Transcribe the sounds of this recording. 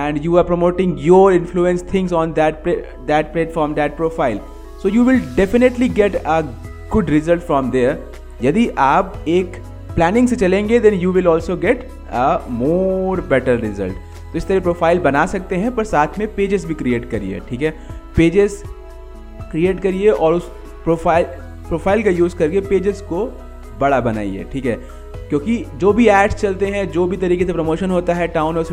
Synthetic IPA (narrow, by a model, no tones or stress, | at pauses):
ɛ̃ːɳɖjuːaːɾpɾomoːʈɪ̃ŋɡjɔːɾɪ̃nfluːɛ̃nst̪ʰɪ̃ŋzɔ̃ːnd̪ɛʈ̚p | d̪æːʈ̚plɛːʈfɔːɾmd̪æːʈ̚pɾoːfaːɪl | soːjuːʋɪlɖɛfɪneʈliɡɛʈə | ɡʊɖɾɪzəlʈfɾɔ̃ːmd̪eːɾ | jɐd̪iʔaːpeːk | plæːnɪ̃ŋɡset͡ʃɐlẽːŋɡed̪ɛ̃njuːʋɪlɔːlsoɡɛʈ | əmoːɾbɛʈəɾɾɪzə̰lʈ | t̪oɪst̪ɐɾipɾoːfʰaːɪlbɐnasɐk̚t̪eɦɛ̃pɐɾsaːt̪ʰmẽpeːd͡ʒɪzbʱikɾieːʈkɐɾiḛʈʰiːkɦɛːpeːd͡ʒɪz | kɾieːʈkɐɾieʔɔːɾʊs | pɾoːfaːɪl | pɾoːfʰaːɪlkajuːzkɐɾkepeːd͡ʒɪzko | bɐɽabɐna̰ːḭḛːʈʰiːkɦɛ | kjõːkid͡ʒoːbʱiɛːɖst͡ʃɐlt̪eɦɛ̃d͡ʒoːbʱit̪ɐɾiːkes̬epɾomoːʃənɦoːt̪aɦɛʈãːʊ̃nɔɾs